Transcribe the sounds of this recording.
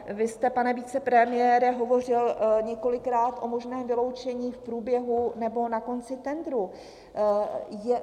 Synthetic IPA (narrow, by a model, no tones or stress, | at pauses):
vɪst̪ɛpanɛviːt͡sɛpɾɛmɪjɛːɾɛɦo̞vo̞r̝ɪlɲɛko̞lɪkɾaːt̪ʔo̞mo̞ʒnɛːmvɪlo̞wt͡ʃɛɲiːfpɾuːbjɛɦunɛbo̞nako̞nt͡sɪt̪ɛnd̪ɾu | jɛ